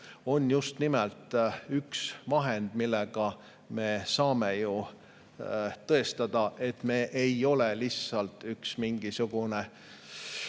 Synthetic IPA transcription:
o̞njust̪nimɛlt̪yksmɑɦe̞nd̪̥milːeɡ̥ɑ | me̞ːsɑːme̞ju | t̪ɤ̞e̞st̪ɑd̪̥ɑʔe̞t̪me̞ːʔejo̞lelisːɑlt̪yksmiŋɡ̥isuɡ̥une

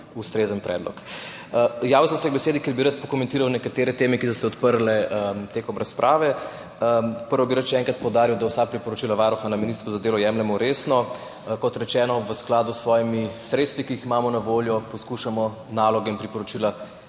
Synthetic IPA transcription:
ust̪ɾezənpɾɛ̰ːd̪lɔ̰k | jaːʋusɔmsɛɡbɛseːd̪ikeɾbiɾat̪̚pɔkɔmɛ̃nt̪iːɾawnɛkat̪eːɾɛt̪eːmɛkisɔsɛɔt̪pəɾlɛət̪eːkɔmɾaspɾʔaːʋɛ | pəɾʋɔbiɾat̪ʃɛɛːŋkɾat̪̚pɔwd̪aːɾiwd̪awsapɾipɔɾot͡ʃilaʋaɾɔxanaminist̪ʋuzad̪eːlɔjɛmlɛmɔɾesnɔ | kɔt̪ɾɛt͡ʃɛːnɔʋəsklaːd̪usːʋɔːjimisɾet̪st̪ʋikiiximaːmɔnaʋoljɔpɔskuʃamɔ | naːlɔɡɛinpɾipɔɾɔt͡ʃila

